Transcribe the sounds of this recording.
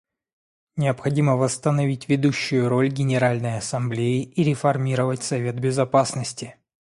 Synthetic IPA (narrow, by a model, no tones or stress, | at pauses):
nʲɪəpxɐdʲiməvəst̪ənɐvʲitʲvʲɪd̪uɕːʊjʊɾo̞lʲɡʲɪnʲɪɾalʲnəjɐsɐmblʲejɪiɾʲɪfɐrmʲiɾəvətʲsɐvʲe̞t̪̚bʲɪzɐpasnəsʲtʲɪ